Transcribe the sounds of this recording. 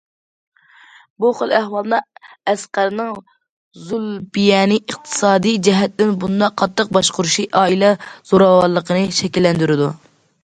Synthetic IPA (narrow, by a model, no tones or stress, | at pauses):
buχəlˠæhwɑlˠd̪ɨɛsqæɾnɨŋ | zulbijɛnɨʔəχt̪ʰɨ̥sɑːd̪ijd͡ʒɛɦɛt̪ːɪnbund̪ɑqʰːɑt̪ʰːəq̚bɑʃqʊɾuʃiʔɑːilɛz̥oɾɑwɑɾlˠːəqʰənɨʃɛkʲilːɛnd̪yɾɪd̪u